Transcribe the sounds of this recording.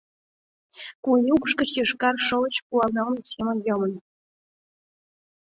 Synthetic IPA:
kunʲuk̆ʂkə̆t͡ɕjɤ̆ʂkɑrʂɤ̆lˠɤ̆t͡ɕkulˠɑnɑlnsʲemʲə̆nʲjɤ̆mɤ̆n

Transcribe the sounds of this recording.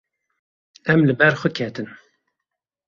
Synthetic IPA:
ɛmlɨbɛɾxʷəkʰɛt̪ɨn

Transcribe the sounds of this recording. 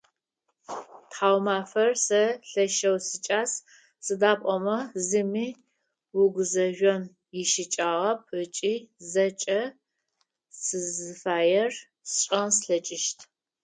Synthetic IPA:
tħaːwmaːfɐrsɐɬɐʃɐwsɨt͡ʃʼaːs | sɨdaːpʷʼɔmɐzɨmiː | wʊɡʷʊzɐʒᶣʷɔm | jɪʃɪt͡ʃʼaːʁɐp̚ʰət͡ʃʼiːzɐt͡ʃʼɐ | sɨzɨfaːjɛr | sɕʼɐnsɬɐt͡ʃʼɪʃtʰ

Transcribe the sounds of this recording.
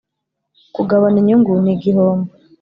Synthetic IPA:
kuɡaβaniɲuŋɡuniɡiɦoːmba

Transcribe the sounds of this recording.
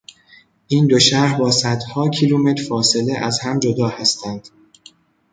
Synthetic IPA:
ʔiːnd̪o̞ʃæhbɒːsæd̪hɒːcʰiluːme̞t̪ʰɾfɒːse̞leʔæzhæmd͡ʒo̞d̪ɒːhæst̪ʰænd̪̥

